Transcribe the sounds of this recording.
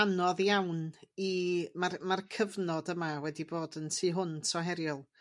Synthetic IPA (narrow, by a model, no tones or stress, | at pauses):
anɔðjawnimarmarkʰəvnɔdəmawɛdiboːdəntʰɨːɦʊntʰɔɦɛɾjʊlˠ